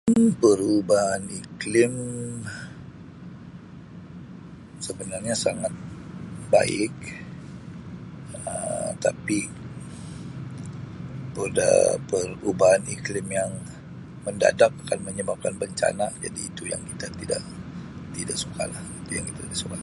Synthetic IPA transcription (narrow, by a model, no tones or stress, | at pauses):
pərubaɦaniklɪm | səbənarɲasaŋat̪̚ba̰ɪk̚ | ət̪api | pəda̰pərubaɦaniklɪmjaŋ | mənda̰dak̚akanməɲəbap̚kanbəɲt͡ʃa̰nad͡ʒa̰diːt̪uja̰ŋki̥t̪at̪ida̰ʔt̪idaʔsuka̰lahit̪uja̰ŋkit̪at̪idaʔsuka